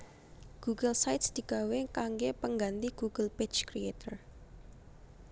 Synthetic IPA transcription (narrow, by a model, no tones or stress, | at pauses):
ɡ̥uɡəlsajt̪sd̪̥i̤ɡ̥a̤wekaŋɡepəŋɡant̪iɡ̥uɡ̥əlpet͡ʃkɾiet̪ər